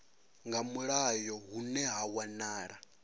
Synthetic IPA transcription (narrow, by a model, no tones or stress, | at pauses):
ŋɡamuɺajɔɦunɛɦawanaːɺa